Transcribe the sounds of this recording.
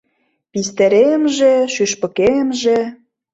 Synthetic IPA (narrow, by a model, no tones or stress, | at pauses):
pist̪eɾemʒĕʃyʃpɤ̆kemʒĕ